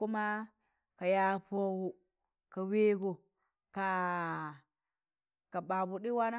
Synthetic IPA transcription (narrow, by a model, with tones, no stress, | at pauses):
u˦ma˦ | ka˨ja˨po˦wu˨ | ka˨we˦ɡo˨ | ka˨ | ka˨ba˨bu˨ɗi˦wa˦na˦